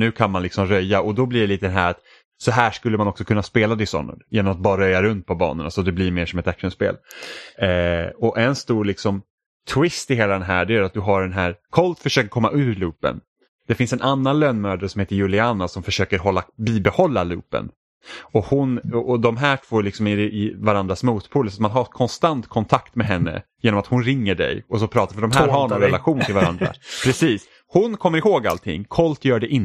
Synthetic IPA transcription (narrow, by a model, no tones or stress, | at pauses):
nʉ̟ːkʰanmanlɪksɔmɾœjːaʔɔd̪ɔbliɖɛliːt̪əd̪ɛnɦæ̰ːɾat̪ | sɔɦæːʂkɵlːəmanɔksɔkʰɵnːaspeːlad̪ɪsɔ̰nːə̰njeːnɔmat̪̚bɑːɾaɾɾœjːaɾɵnt̪̚pʰɔbɑ̰ːnə̰na̰sɔd̪ɛblɪɾmeːʂɔmɛt̪akʂənspḛːl | ɔʔɛnst̪uːɾlɪksɔm | t̪ʰwɪst̪ɪɦeːlad̪ɛnɦæ̰ːɖɛæɾat̪̚d̪ɵɦaɖɛnɦæːɾkʰɔlt̪fœʂøːkəɾkʰɔmːa̰ʔʉ̟ːɾlʉːpə̰n | d̪̥ɛfɪnsɛnʔanːanløːnmœːd̪əɾsɔmheːt̪əɾjɵlɪanːasɔmfœʂøːkəɾɦɔlːabiːbɛhɔlːalʉ̰ːpə̰n | ɔhʊnɔʔɔd̪ɔmɦæːʈʰvoːlɪksɔmɪɪvaɾand̪ɾasmuːt̪pʰuːlːsat̪manɦakʰɔnst̪ant̪kʰɔnt̪ʰakt̪mɛɦɛnːə̰jeːnɔmat̪hʊnɾɪŋːəɖɛ̰jɔsɔpʰɾɑːt̪afœɖɔmɦæːɾɦaɾnɔnɾɛlaɧuːnt̪ʰɪlvaɾa̰nd̪ɾa̰pʰɾɛsiːs | hʊnkʰɔmːəɾɪhoːɡa̰lt̪ʰɪ̰ŋːkʰɔlt̪jœːɖɛʔɪn